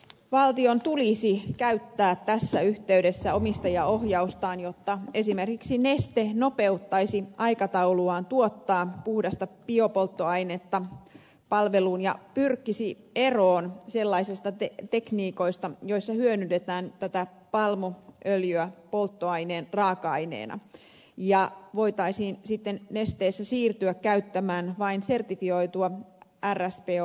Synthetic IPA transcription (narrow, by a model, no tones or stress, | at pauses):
ʋɑlt̪io̞nt̪ulisikæyt̪ːæːtt̪æsːæyht̪eydesːæo̞mist̪ɑjɑo̞hjɑust̪ɑːnjo̞t̪ːɑe̞sime̞rkiksine̞st̪eno̞pe̞ut̪ːɑisiɑikɑt̪ɑuluɑːnt̪uot̪ːɑːpuhdɑst̪ɑpio̞po̞lt̪ːoɑjnet̪ːɑ | pɑlʋe̞luːnjɑpyrkːisi | e̞roːnselːɑisist̪ɑet̪e̞kniːko̞ist̪ɑjo̞isːɑhyønyt̪et̪æːnt̪æt̪æ | pɑlmoʔøljyæpo̞lt̪ːoɑjneːnrɑːkɑɑinḛːnɑ̰ | jɑʋo̞jt̪ɑisiːnsit̪ːenːe̞st̪eːsːæsiːrt̪yækkæyt̪ːæmæːnʋɑinse̞rt̪ifio̞it̪uɑærːæspeː